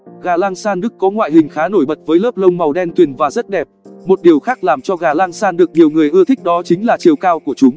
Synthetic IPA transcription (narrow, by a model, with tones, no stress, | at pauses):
ɣaː˨˩laː˧ŋsaː˧nɗɨ˦˥kːɔ˨˦ŋwa̰ː˧˨jɦï˨˩ŋ̟xaː˨˦no˧˩jɓə˨˩t̚vəː˨˦jləː˦˥p̚lə˧wŋ͡mma˨˩wɗɛ˧nt̪wi˨˩ənvaː˨˩zə˦˥t̚ɗɛ˨˩p̚mo˨˩t̚ɗi˨˩əwxaː˦˥k̚laː˨˩mt͡ɕɔ˧ɣaː˨˩laː˧ŋsaː˧nɗɨ˨˩ək̚ɲi˨˩əwŋɨ˨˩əjʔɨ˧ət̪ʰɪ̈˦˥k̟̚ɗɔ˨˦t͡ɕï˨˦ŋ̟laː˨˩t͡ɕi˨˩əwkaː˧wku˧˩ət͡ɕʊ˨˦ŋ͡m